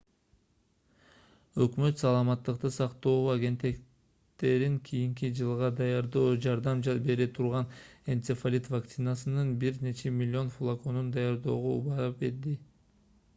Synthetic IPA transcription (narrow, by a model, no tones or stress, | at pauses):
ø̞kmø̞t̪sɑlˠɑmɑt̪ːɯq̚t̪ɯsɑqt̪o̞ːʁoɑɡʲe̞nt̪ːek | t̪e̞ɾiŋkʰijiŋkid͡ʒɯlˠʁɑd̪ɑjɑɾd̪oːd͡ʒɑɾd̪ɑmbe̞ɾet̪ʰuɾʁɑne̞nt̪sefalʲit̪vakt̪sɨnasɯnɯnbiɾne̞t͡ʃʰe̞mʲɪlʲːio̞nfulˠako̞nund̪ɑjɑɾd̪o̞ːʁoṵbɑɾɑp̚be̞ɾd̪i